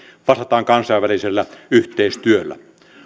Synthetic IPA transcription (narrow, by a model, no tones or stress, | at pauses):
ʋɑst̪ɑt̪ɑːŋkɑnsɑʋʋæliselːæyht̪eist̪yølːæ̰